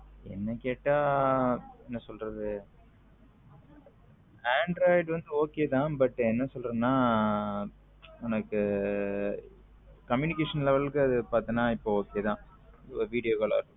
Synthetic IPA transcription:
ɛ̰nːɐkeːʈːaː | ɛnːɐsɔlrɐðɯ | aːɳɖɾoːɪɖʋɐnd̪ɯoːkeːt̪ãːbɐʈːɯɛnːɐsɔlɾɐnːaː | ɛnɐkːɯ | kɐmjuːnɪkeːʂɐnlɛʋɐɭɯkːɯɐðɯpaːɾt̪ɯnaːɪpːooːkeːt̪ãː | ʋiːɽɪjoːɣɐɭa̰ːɪɾɯkːɯ

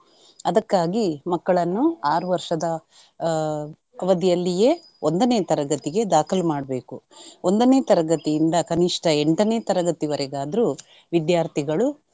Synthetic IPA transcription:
ɐd̪ɐkːaːɡimɐkːɐɭɐnːuaːɾuʋɐɾʂɐd̪ɐ | ɐʋɐd̪ijɐlːije̞ | ond̪ɐneːt̪ɐɾɐɡɐt̪iɡe̞d̪aːkʰɐlmaːɽɐbe̞ːkuo̞nd̪ɐneːt̪ɐɾɐɡɐt̪iːnd̪ɐkɐniʂʈɐeɳʈɐneːt̪ɐɾɐɡɐt̪iʋɐɾɛɡaːd̪ɐɾu | ʋid̪jaːɾt̪ʰiɡɐɭu

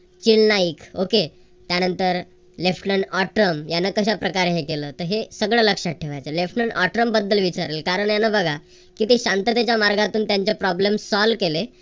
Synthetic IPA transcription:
t͡ɕilnaikoke | t̪janənt̪əɾ | lefʈnəɳɔʈɾəmjanːakəɕapɾəkaɾeɦekeləːt̪əɾɦesəɡɭəːləkʂat̚ʈʰeʋajt͡səlefʈnəɳʔɔ̰ʈɾəmbəd̪ːəlʋit͡ɕaɾlelkaɾəɳjanabəɡʱa | kit̪eɕãnt̪ət̪jat͡ɕjamaɾɡat̪uːnt̪jaɲt͡ɕapɾɔblemsɔlkele

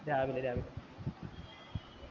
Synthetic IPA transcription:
ɾaːʋilɐɾaːʋil

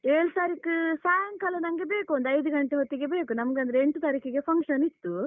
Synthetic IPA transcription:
eːɭsaːɾikusaːjɐŋkɐlɐnɐŋɐɡebeːkuɐnd̪ɐjd̪uɡɐɳʈeɦot̪ːiɡebeːkunɐmɐɡeɐnd̪ɾeeɳʈut̪ɐɾikiɡe̞pʰɐŋkʂɐnit̪ːu

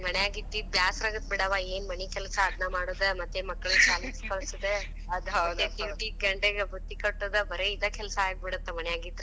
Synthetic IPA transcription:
mɐɳɛjaːɡid̪ːibjaːsɾaːɡɐt̪̚biɽɐʋaeːnmɐnikɛlsɐːd̪namaːɽoːd̪emɐt̪ːemɐkːɐɭut͡ʃaːleskɐɭsɐd̪e | ɐd̪ɐɐd̪eʈiʋʈiɡɐɳɖeɡebut̪ːikɐʈːod̪ɐbɐɾeid̪ɐkɛlɐsɐaːɡ̚biɽɐt̪ːemɐɳɛjaːɡid̪ɾe

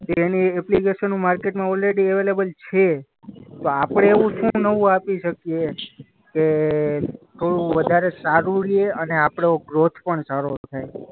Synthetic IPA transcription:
t̪eːniɛplikeʃənũmaɾkeʈmãɔlɾeɖieʋelebəlt͡ʃʰe | t̪oapəɽ̃eːʋũʃũnəʋũapiʃəkije | ke | t̪ʰoɽuʋəd̪ʱaɾesaɾuɾieəneapɽ̃eoɡɾot̪ʰpəɳsaɾot̪ʰaj

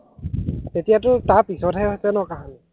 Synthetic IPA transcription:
tetijatʊtapisɔthɛɦojsɛnɔkaɦanɛ

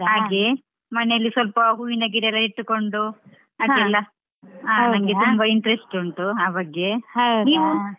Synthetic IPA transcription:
ɦaːɡe | mɐnejɐlːisʋɐlpɐɡuinɐɡiɾɛlːɐiʈːukoɳɖu | ɐd̪ilːɐ | aːnɐŋɡet̪umbɐiɳʈɾesʈuɳʈuaːbɐɡːeniːnu

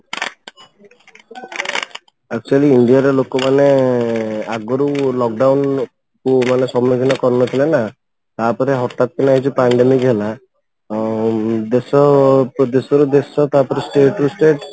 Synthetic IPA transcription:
ak̚t͡ʃualiiɳɖijaɾɔlokɔmane | aɡɔɾulɔk̚ɖawn | kumanesɔmɾɔɡʱinɔkɔɾnɔt̪ʰilena | t̪apɔɾeɦɔʈat̪̚kinaɦit͡ʃʰupaɳɖemikɦela | d̪esɔpɔd̪esɔɾud̪esɔt̪apɔɾesʈeʈusʈeʈ

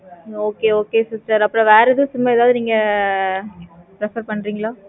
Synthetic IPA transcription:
oːkeːoːkeːsɪsʈɐɾɐpːɾõʋeːɾɐðɯ̃sʊmːaɛðaːʋðɯniːŋɡɐ | pɾɛfɐɾpɐɳːɾiːŋɡɐɭaː

